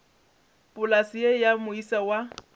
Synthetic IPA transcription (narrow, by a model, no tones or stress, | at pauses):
pʊlasɪjejamʊisawa